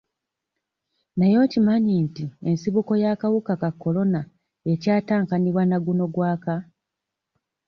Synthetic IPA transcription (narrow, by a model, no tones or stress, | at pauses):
najo̞ːcimaɲintie̞nsiβuko̞jaːkawukakakːo̞lo̞na | e̞caːtaːŋkaniβwanaɡuno̞ɡwaːka